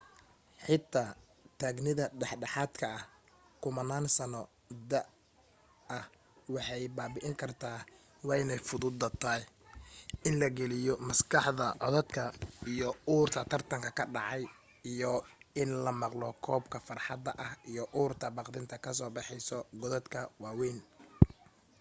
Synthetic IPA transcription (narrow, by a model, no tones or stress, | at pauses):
ħɪt̪ʰːaː | t̪ʰaːɡnɪðɐɖɛħɖɛħaːd̪kʰɐʔɐh | kʰʊmɐnaːnsɐnɔ | d̪ɐʔ | ɐh | wɑħɑjbaːbɪʔɪŋkʰɐrt̪ʰaː | wɑːɪnɛjfʊðʊd̪ːɐt̪ʰɐːj | ɪnlɐɡɛlɪjɔmɐskʰɑħðɐʕɔ̰ðɔd̪kʰɐijɔuːrt̪ʰɐt̪ʰɐrt̪ʰɐŋkʰɐkʰɐɖɑ̰ʕɑj | ijɔɪnlɐmɑqlɔkʰɔːbkʰɐfɐrħɑd̪ɐʔɐhʔijɔʔuːrt̪ʰɐbɑqd̪ɪnt̪ʰɐkʰɐs̬ɔːbɑħɛjsɔɡɔðɔd̪kʰɐwɑːwɛːn